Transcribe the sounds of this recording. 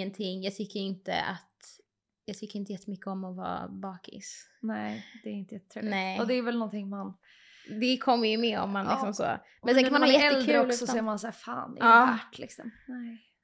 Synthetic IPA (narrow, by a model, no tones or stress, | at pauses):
ənt̪ʰɪŋːjɑːɡt̪ʰʏkːəɾɪnt̪ə̰a̰t̪ | jɑːɡt̪ʰʏkːəɾɪnt̪əjɛt̪ːəmʏkːəɔmɔvɑ̰ːbɑːkɪ̰snɛɪd̪̥ɛæɾɪnt̪əjɛt̪ːət̪ʰɾeːnɛɪɔd̪ɛːɾvɛlnɔnt̪ʰɪŋman | d̪ɛkʰɔmːəjɵmɛːɔ̰mːanlɪksɔmso̰ː | mɛnsɛnknmanhɑːjɛɛːlkd̪ʰɾʉəɔlssɔsɔɛjːəɾmansæːɾfa̰ːn̰ɑːæʈlɪ̰ksɔ̰mnɛ